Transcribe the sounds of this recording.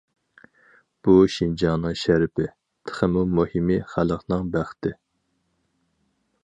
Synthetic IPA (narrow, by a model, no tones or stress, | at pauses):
b̥uʃind͡ʒɑːnɨŋʃæɾɪpɪ | t̪ʰə̥χəmumuhimɪχæləqnɨŋbæχt̪ʰɪ